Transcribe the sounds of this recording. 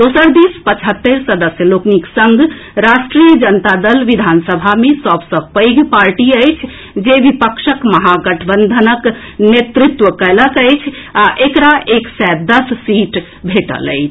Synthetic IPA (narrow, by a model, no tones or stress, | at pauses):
d̪osəɾd̪ispət͡ʃʰɦət̪ːəɾsəd̪əsjəlokniksəŋɡ | ɾasʈɾijəd͡ʒənt̪ad̪əlʋid̪ʱansəbʱamesəbsə̃pəjɡʱpaɾʈiəjt͡ʃʰ | d͡ʒeʋipəkʃəkməɦaɡəʈʰbənd̪ʱənək | net̪ɾit̪ʋəkələkəjt͡ʃʰaʔekɾaeksɛd̪əsːiʈ | bʱeʈə̰lə̰jt͡ʃʰ